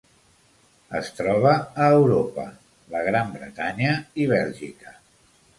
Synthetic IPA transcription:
əst̪ɾɔβ̞əːwɾopə̰ | ləɣ̞ɾambɾə̰t̪aɲəiβ̞ɛlʒḭkə̥

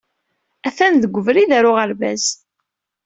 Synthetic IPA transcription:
æθænðəɡʷəvɾiðæɾʊʁəɾvæ̰z

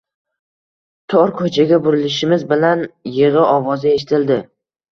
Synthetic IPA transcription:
t̪ʰɒɾkʰɵt͡ʃʰaɡʲabʊɾɪlɪʃɪmɪzbɪlanjɪʁɨɒvɒzɪe̞ʃɪt̪ʰɪld̪ɪ

